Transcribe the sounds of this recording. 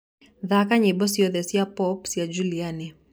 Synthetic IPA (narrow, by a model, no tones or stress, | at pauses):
ðakaɲɛbɔsiɔðɛsiapɔpsiad͡ʒulianɛ